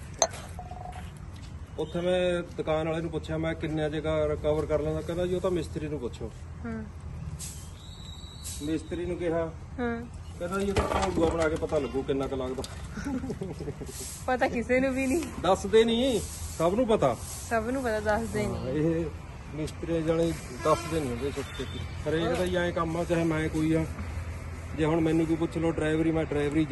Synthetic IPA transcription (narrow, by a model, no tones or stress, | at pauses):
ʊt̪ʰːeːmɛ̃ːd̪əkaːnaːleːnũːp̬ʊtːʃʰjaːmɛ̃ːkɪnːejãːd͡ʒeːɡaːɾəkəʋəɾkəɾlãːd̪aːkɛ̃ːd̪ãːd͡ʒiːoːt̪aːmɪst̪ɾiːnũːpʊt̪ːʃʰoːɦãː | mɪst̪ɾiːnũːkɪɦaː | ɦãːkɛ̃ːd̪aːd͡ʒiːot̪aːk̪ʰoːɡuaːbəɽaːkeːpət̪aːləɡuːkɪnːãːkəlaːɡd̪aː | pət̪aːkɪseːnũːbiːnĩːd̪əsd̪eːnĩːsəbnũːpət̪aː | səbnũːpət̪aːd̪əsd̪eːneɦ | mɪst̪ɾiẽd͡ʒaːneː | d̪əsd̪enõːd̪eːsəkt̪eːt̪iːpəɾeːkəd̪aːijãːẽːkəmãːt͡ʃaːɦeːmɛ̃ːkoːiːɦãː | d͡ʒeːɦʊɳmɛ̃ːnːũːbiːpʊːt͡ʃʰloːɖɾaːɪʋɾiːmɛ̃ːɖɾaːɪʋɾiː